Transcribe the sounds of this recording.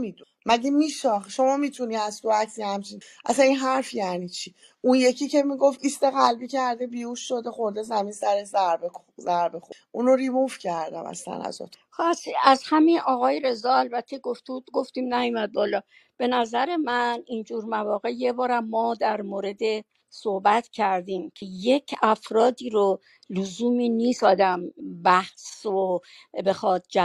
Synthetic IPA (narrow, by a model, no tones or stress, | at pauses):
mid̪u | mæɟemiːʃɒːχʃo̞mɒːmiːt̪ʰuniːæzt̪ʰoæksihæmt͡ʃʰinʔæ̰sæninɦæɾfjæniːt͡ʃʰi | ʔunje̞cʰice̞miɡo̞fiːst̪eɣælbiːcʰæɾd̪ebiːuʃːo̞d̪exoɾd̪ezæminsæɾezæɾbe | zæɾbexʔunoɾibufcʰæɾd̪æ̰mæ̰slæ̰næ̰zɔ̰ːt̪ʰxsiæzhæminɒːɣɒːjeɾe̞zɒːælbæt̪ʰːe̞ɡoft̪ud̪ɡo̞ft̪iːmnæjumæd̪̚bɒːlɒː | b̥e̞næzæɾe̞mænind͡ʒuːɾmævɒːɣe̞je̞bɒːɾæmːɒːd̪æɾmoːɾe̞d̪e | sohbæt̪ʰcʰæɾd̪iːmcʰeje̞cʰæfɾɒːd̪iːɾo | luzuːmiːniːsɒːd̪æmbæhso | be̞xɒːd̪̥̚d͡ʒæ